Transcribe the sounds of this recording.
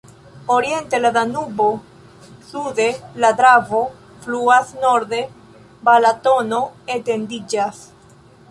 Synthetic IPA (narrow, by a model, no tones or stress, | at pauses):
oɾie̞nte̞ladanubo̞ | sude̞lad̪ɾavo | fluasno̞ɾde̞ | balato̞no̞ete̞ndid͡ʒas